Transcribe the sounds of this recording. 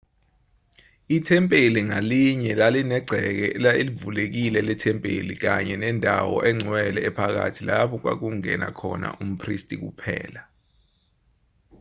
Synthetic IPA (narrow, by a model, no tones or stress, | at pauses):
itʰɛmpʼeliŋaliɲɛlalinɛɡ͡ǀʱɛk̬ɛlaelivulek̬ilɛlɛtʰɛmpʼḛlik̬aɲɛnɛndʱawɔ̰ʔɛŋ͡ǀʱwɛlɛːpʰak̬a̰tʰilapʰɔk̬wak̬uŋɛ̰na̰kʰɔna̰ʔum̩pʰristʼik̬upʰɛ̰ːla